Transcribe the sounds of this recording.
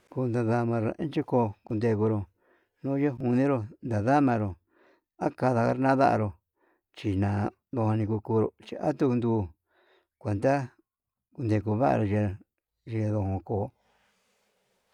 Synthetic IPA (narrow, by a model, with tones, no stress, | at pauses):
ku˧nd̪a˧ða˧mã˧ɾo˨ḛ̃˦t͡ʃi˦koː˧˦ku˧nd̪e˧ku˧ɾo˧ | nõ˦je˦ɦu˧nĩ˦ɾo˧nd̪a˨ða˦mã˧ɾo˨ | a˦ka˧ða˧ka̰˧ɾnã˦ða̰˦ʔa̰˧ɾo˧ | t͡ʃi˧nã˨ | ðo˧hã˧nĩ˧ku˧kuː˧ɾo̰˧t͡ʃi˧ʔa˦t̪u˦˧nd̪uː˧˦ | kʷe˨nd̪a˦ | ku˧nd̪e˧ku˧βa˦ʔa̰˧ɾo˧ʒe˧ | ʒe˧ðo˧hõ˧koː˨˦